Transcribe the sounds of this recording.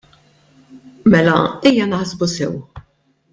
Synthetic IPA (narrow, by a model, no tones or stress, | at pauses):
mɛlɐ̰ɛjːɐnɐħzbusɛ̰w